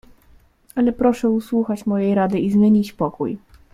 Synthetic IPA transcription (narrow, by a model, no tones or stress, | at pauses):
alɛpɾɔʂɛuswuxat͡ɕmɔjejɾad̪ɘizmʲjeɲit͡ɕpɔkṵj